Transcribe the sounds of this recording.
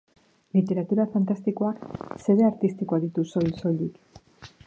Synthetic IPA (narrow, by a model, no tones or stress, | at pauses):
lit̪e̞ɾat̪uɾafant̪ast̪iko̞akse̞βe̞aɾt̪ist̪iko̞aðit̪uso̞jlso̞lik